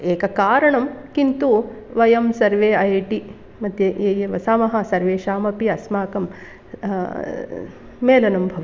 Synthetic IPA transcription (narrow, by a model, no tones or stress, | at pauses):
eːkɐkaːɾɐɳɐmkint̪uʋɐjɐmsɐɾʋeːɐjʈi | mɐd̪ʱjɐejɐʋɐsaːmɐɦɐsɐɾʋeːʃaːmɐpiɐsmaːkɐm | eːlɐnɐmbʱɐʋɐ